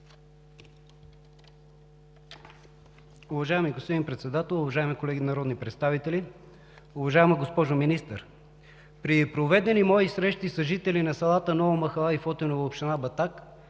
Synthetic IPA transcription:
ʊvɐʒaɛmiɡospod̪ʲinpɾɛt̪sɛd̪at̪ɛlˠʊvɐʒaɛmikolɛɡʲinɐɾɔd̪nipɾɛt̪st̪avit̪ɛli | ʊvɐʒaɛmɐɡospɔʒominist̪ə̰ɾ | pɾipɾovɛd̪ɛnimɔisɾɛʃt̪isɐʒit̪ɛlinɐsɐlˠat̪ənɔvomɐxɐlˠaifɔt̪ɛnovɐopʃt̪ɛnabɐt̪ak

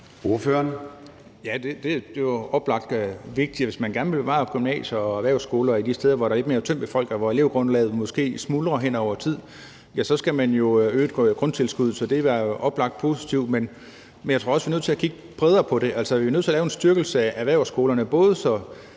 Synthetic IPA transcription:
oɐføːɐn | jæd̥e̝d̥e̝d̥e̝joɒ̽b̥lɑ̈ɡ̥̚d̥ʋe̝ɡ̥̚d̥iʋe̝smænɡ̥æɐnʋe̝lb̥e̝ʋɑ̰̈ɡ̥ymnɛ̰ːɕɐɒæʋæɐʊsɡ̥o̝ːlɐid̥isd̥eːð̞ˠɐʋɒd̥ɾɑ̈led̥me̝ːɐt͡sʰøm̰b̥efɒ̽l̰ɡ̥æɐʋɒe̝le̝ːʊ̰ɡ̥ʁɔ̽nlɛ̰ːð̩ˠmɔ̽sɡ̥e̝̰ːsmuːlʁɐɦen̰ɒʊ̰ɐt͡sʰið̰ˠ | jæsɒ̽sɡ̥æmænjo̝øːd̥ɡ̥ʁɔ̽nt͡sʰe̝lsɡ̥uð̞̰ˠsɒ̽d̥e̝ʋæʔɒ̽b̥lɑ̈ɡ̥̚d̥̚pʰo̝si̥t͡sʰiʊ̰d̥men | menjät͡sʰʁo̝ɐɒ̽sʋinøð̰ˠt͡sʰe̝lækʰiɡ̥əb̥ʰʁɛð̞ˠɐpʰɒ̽ɾ̥e̝ʔæl̰sɒʋinøð̰ˠt͡sʰe̝ælːʊensd̥yɐɡ̥l̩səæʔæʋæɐʊsɡ̥o̝ːlɐnəb̥ɔ̽ːð̞ˠəsɒ̽

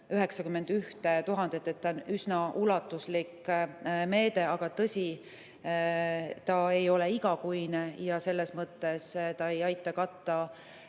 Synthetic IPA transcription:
yɦe̞ksɑkymːe̞nd̪̥yht̪et̪uɦɑnd̪̥et̪ːˑet̪ːɑonysnɑulɑt̪ːˑuslik | me̞ːd̪̥e̞ɑɡ̥ɑt̪ɤsʲi | t̪ɑe̞jo̞leiɡɑkujnejɑse̞lːe̞smɤt̪ːˑe̞st̪ɑe̞jɑjt̪ːˑɑkɑt̪ːˑɑ

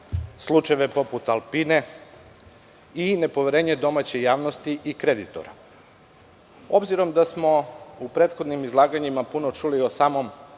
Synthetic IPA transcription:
slˠut͡ʃajeʋepo̞put̪alˠpine̞ | ine̞po̞ʋeɾeːɲe̞d̪o̞mat͡ɕejaːʋno̞st̪iʔikɾe̞d̪it̪o̰ɾa̰ | o̞bziɾo̞md̪asmo̞upɾeːt̪xo̞d̪nimizlˠaːɡaɲimapunot͡ʃulio̞saːmo̞m

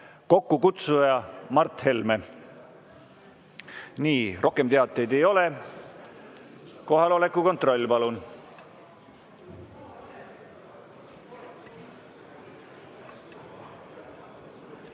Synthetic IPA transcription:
ko̞kːukut̪sujɑmɑrt̪he̞lme | niːrʔo̞hke̞mt̪eɑt̪ːˑe̞jd̪e̞jo̞le | ko̞ɦɑlo̞le̞kːˑuko̞nt̪ˑro̞lʲːpɑlun

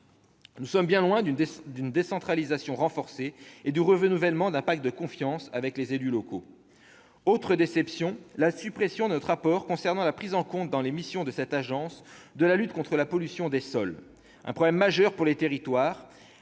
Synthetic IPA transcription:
nusɔmbjɛ̃lwɛ̃d̪d̪ynd̪esɑ̃t̪χalizasjɔ̃ʁɑ̃fɔʁseed̪yʁəʁənuvɛlmɑ̃d̪ɛ̃pak̚t̪̚d̪əkɔ̃fjɑ̃savɛklezelylɔko | ot̪χəd̪esɛpsjɔ̃lasypχesjɔ̃d̪ənɔt̪χʁapɔʁkɔ̃sɛʁnɑ̃lapχizɑ̃kɔ̃t̪̚d̪ɑ̃lemisjɔ̃d̪əsɛt̪aʒɑ̃sd̪əlalyt̪kɔ̃t̪χəlapɔlysjɔ̃d̪esɔl | ʔɛ̰̃pχɔblɛmːaʒœʁpuʁlet̪eʁit̪waːʁ

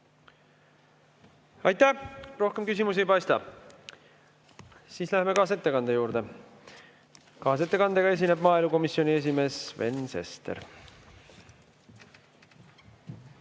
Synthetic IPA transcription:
ɑjt̪ːæro̞hke̞mkys̬ʲimus̬ejpɑjst̪ɑ̰ | siːslæheme̞kɑːs̬et̪ːe̞kɑnd̪̥e̞juːɾd̪̥e̞ | kɑːs̬e̞t̪ːˑe̞kɑnd̪̥e̞ɡɑe̞s̬ineb̥mɑːeluko̞misːio̞nie̞s̬ime̞ːsve̞̰nse̞̰st̪ḛɾ

